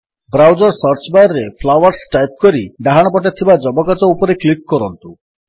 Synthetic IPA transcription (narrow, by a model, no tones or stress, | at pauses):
bɾawd͡ʒɔɾsɔɾt͡ʃbajɾɔɾepʰlawɔɾsʈajp̚kɔɾiɖ̪aɦaɽ̃ɔpɔʈ̬at̪ʰibad͡ʒɔbɔkat͡ʃɔupɔɾeklik̚kɔɾɔnt̪u